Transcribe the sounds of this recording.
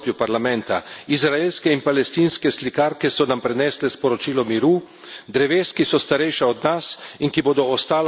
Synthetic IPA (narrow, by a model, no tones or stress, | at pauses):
pjupaɾlamɛnt̪a̰izɾaelskɛinpalɛst̪iːnskɛslikaːɾkɛsɔnampɾɛnɛːslɛspɔɾɔt͡ʃiːlɔmiɾu | d̪ɾɛʋeːskisɔst̪aɾɛjʃaɔd̪nasiŋkiboːd̪ɔːst̪aːl